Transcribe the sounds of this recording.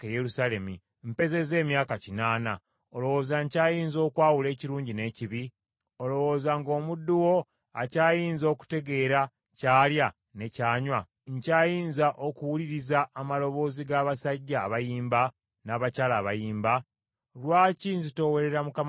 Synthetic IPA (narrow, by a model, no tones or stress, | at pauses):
ejeɾusale̞mi | m̩pe̞ze̞ze̞ːmjaːkacinaːna | o̞lo̞wo̞ːzaɲcaːjiːnzo̞ːkwaːwule̞ːciɾuːɲɟine̞ciβi | o̞lo̞wo̞ːzaŋɡo̞ːmudːuwo̞ | acaːjiːnzo̞ːku̥te̞ɡe̞ːɾa | caːlja | ne̞caːɲwa | ɲcaːjiːnzaʔokuwuliɾizaːmalo̞βo̞ːziɡaːβasaɟːaːβajiːmba | naːβacaːlaːβajiːmba | lwaːcinzito̞we̞ɾe̞ɾamukam